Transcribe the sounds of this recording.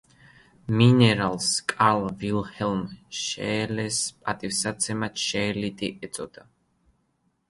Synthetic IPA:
minɛɾalˠskʼalˠvilhɛlmʃɛ̰lɛspʼat̪ʼifsat̪sʰɛmat̪ʃɛːlit̪ʼiʔɛt̪sʼɔd̪̥a

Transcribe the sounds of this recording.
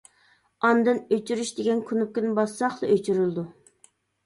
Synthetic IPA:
ɑnd̪ɨnøt͡ʃʰyɾyʃd̪eɡʲɛnkʲʰunup̚kʲynɪbɑsɑχlˠɨʔøt͡ʃʰyɾylˠd̪u

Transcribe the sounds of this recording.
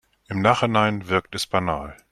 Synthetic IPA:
ʔɪmnaːχhɪnaɪnvɪɐk̚tɛsb̥anaːl

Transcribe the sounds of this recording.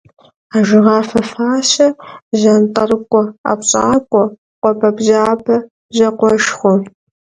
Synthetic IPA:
aːʒɪʁɑːfɐfaːɕɐʑɐntʼɐrɨkʷʼɔa̰pɕʼaːkʷʼɔ | qʷʼɔpʰɐbʑaːbʰɐ | ʑɐqʷɔʃχʷʊ

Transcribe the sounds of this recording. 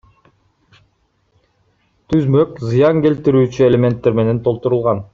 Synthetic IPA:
t̪ʰyzmø̞kzɯjɑŋke̞lt̪iɾyːt͡ʃyelʲemʲe̞nt̪ːe̞ɾme̞ne̞nt̪ʰo̞lˠt̪uɾulˠʁɑn

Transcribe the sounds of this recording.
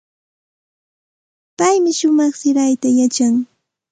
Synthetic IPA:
pajmɪʃʊmɑχsɪɾajt̪ajat͡ʃaŋ

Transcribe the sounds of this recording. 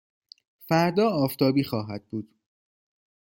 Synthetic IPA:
fæɾd̪ɒːɒːft̪ʰɒːbiːxɒːɦæd̪̥̚buːd̪̥

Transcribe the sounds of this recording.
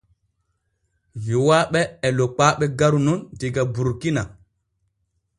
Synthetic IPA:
viwaɓɛːlɔk͡paɓɛɡaɾunundiɡabuɾkina

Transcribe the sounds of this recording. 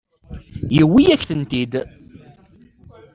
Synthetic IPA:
jəwːijæçθənt̪id̪

